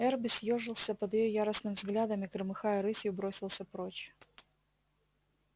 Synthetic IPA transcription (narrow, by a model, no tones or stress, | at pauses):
ɛrbʲɪsʲjoʐɨlˠsʲəpəd̪jɪjojaɾəsnɨmʲvzɡlʲad̪əmɪkɾɨmɨxajəɾɨsʲjʊbɾo̞sʲɪlˠsʲəpɾot͡ɕ